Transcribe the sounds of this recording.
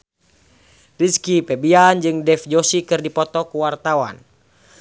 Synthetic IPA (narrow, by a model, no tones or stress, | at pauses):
riskipɛbiand͡ʒɨŋdɛfd͡ʒosikɨrdipɔt̪ɔkuwart̪awa̰n